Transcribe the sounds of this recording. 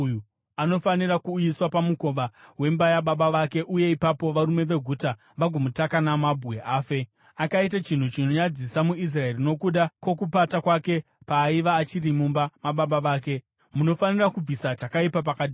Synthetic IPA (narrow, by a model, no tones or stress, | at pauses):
ju | ano̞fanirakuːjiswapamuko̞ʋawe̞mbajaɓaɓaʋake̞ʔuje̞ipapo̞ʋaɾume̞ʋe̞ɡʱuta | ʋaɡʱomutakanamabʱuwe̞ʔaːfe̞ | akaitat͡ʃin̤ut͡ʃino̞ɲad͡zisamuis̬raerino̞kuɗakwo̞kupatakwake̞ | paːiʋaːt͡ʃirimumbamaɓaɓaʋaːke̞ | muno̞fanirakub͡visat͡ʃakaipap̬akaːɗi